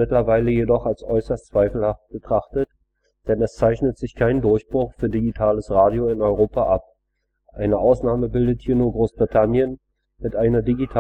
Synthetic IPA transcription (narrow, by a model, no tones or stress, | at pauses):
ɪtlɐvaɪləjedɔχalsʔɔʏsɐst͡sv̥aɪfl̩haft̚b̥ətʁ̥aχtət | d̥ɛnɛst͡saɪçnətz̥ɪçkʰaɪndʊɐçb̥ʁʊχfyːɐdiɡitʰaːləsʁaːdjoɪnɔʏʁoːpaʔap̚ | ʔaɪnəʔaʊsnaːməbɪldəthiːɐnuːɐɡʁoːsb̥ʁitʰanjən | mɪtʔaɪnɐdiɡitʰa